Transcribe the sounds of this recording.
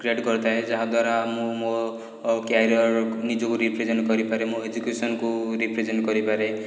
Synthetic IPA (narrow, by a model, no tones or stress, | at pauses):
kɾeɖkɔɾt̪aɦed͡ʒaɦad̪waɾamũmo | kjajɾɔɾnid͡ʒɔkuɾipʰɾed͡ʒenʈkɔɾipaɾemũed͡ʒukjusɔnkuɾipʰɾezeɳʈkɔɾipaɾe